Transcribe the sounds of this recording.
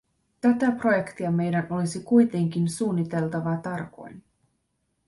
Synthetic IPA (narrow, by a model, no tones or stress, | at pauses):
t̪æt̪æpro̞je̞kt̪iɑme̞jdæno̞lisikujt̪e̞ŋk̟insuːnːit̪e̞lt̪ɑʋɑt̪ɑrko̞̰jn